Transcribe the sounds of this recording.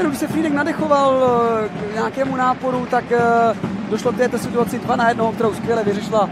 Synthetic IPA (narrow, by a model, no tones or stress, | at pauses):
ɛɾuɡɪʃsɛfɾiːdɛknadɛxo̞val | ɲaːkɛːmunaːpo̞ɾut̪ak | doʃlok̚t̪ɛːt̪osɪt̪uat͡sɪdvanajɛdnoɦokt̪ɛɾowskvjɛlɛvɪrɛʃɪla